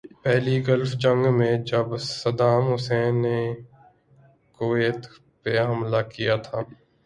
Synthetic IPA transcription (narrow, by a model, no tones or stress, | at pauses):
pɛːliɡəlfd͡ʒə̃ŋɡmẽd͡ʒəbsəd̪aːmɦʊsɛːnːeː | koeːt̪ | peɦəmlakijaːt̪ʰaː